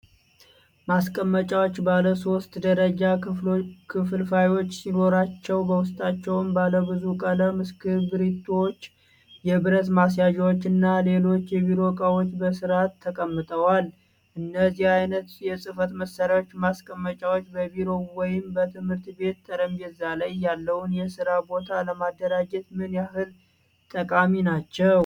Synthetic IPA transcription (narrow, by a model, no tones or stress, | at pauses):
maskʼəmːət͡ʃʼawot͡ʃːbaləso̞st̪d̪əɾəd͡ʒa | kʰɨfɨlfajwo̞t͡ʃːsino̞ɾat͡ʃːɛwbəwʊst̪ʼat͡ʃːɛwnbaləbɨzukʼələmɨskɨbɨɾit̪ʰːowot͡ʃː | jɛbɨɾət̪mas̬jaʒɛwot͡ʃːɨnːale̞lo̞t͡ʃːjɛβiɾo̞kʼawo̞t͡ʃːbəsɨɾat̪ʰːəkʼəmːɨt̪ʼəwal | ʔɨnːəzihajnət̪jɛsʼɨfət̪məsəɾjawot͡ʃːmaskʼəmːət͡ʃʼawo̞t͡ʃːbəbiɾo̞wɔjɪmbət̪ʰɨmhɨɾt̪be̞t̪ːəɾəmjɛzalajːalːəwʊnjɛsɨɾabo̞t̪ʰaləmad̪ːəɾad͡ʒɛt̪mɨnjahɨl | t̪ʼəkʼaminat͡ʃːɛw